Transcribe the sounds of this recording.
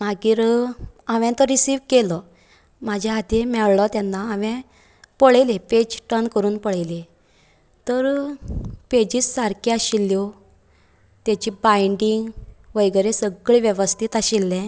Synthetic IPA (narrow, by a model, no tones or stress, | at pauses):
maɡiɾaʋɛ̃t̪ɔɾisiːʋkelɔ | mad͡ʑʱaad̪emɛɭlɔt̪janːaaʋɛ̃ | pəɭeleped͡ʑʈənkəɾuːnpəɭele | t̪əɾ | ped͡ʑiːssaɾkjaɕilːo | t̪jat͡ɕibaiɳɖiŋɡʋəjɡəɾesəɡɭiʋjeʋəst̪ʰit̪aɕilːɛ̃